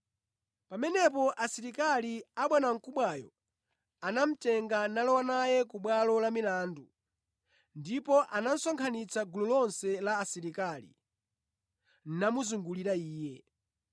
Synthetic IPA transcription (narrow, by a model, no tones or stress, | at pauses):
pamɛnɛpɔʔasiɾikaliaɓwɛnaŋ̩kuɓwajɔ | anam̩tɛŋɡanalɔwanajɛkuɓwalɔlamilaːndu | ndipɔʔanan̩sɔŋkʰanit͡sʰaɡululɔnsɛlaːsiɾikalḭ | n̩namuzuŋɡuliɾaiːjɛ